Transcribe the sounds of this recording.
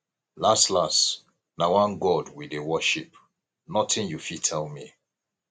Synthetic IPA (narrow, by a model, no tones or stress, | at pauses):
lastlast | nawãnɡɔdwidewɔʃip | nɔtɪ̃njufitʰɛlmi